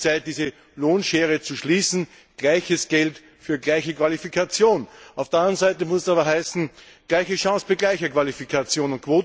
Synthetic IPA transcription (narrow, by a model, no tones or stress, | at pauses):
t͡saɪt̚d̥iːzə | loːnʃeːʁət͡suʃliːsn̩ | ɡ̥læɪçəsɡ̥ɛlt | fyːɐɡlæɪçəkv̥alifikʰat͡sjoːnaʊfd̥əɐãndʁənzæɪtəmʊsɛsaːβɐɦæɪsn̩ | ɡ̥læɪçəʃɑ̃ːsb̥aɪɡlæɪçɐkv̥alifikʰat͡sjoːnʊnt̚kʰv̥oːt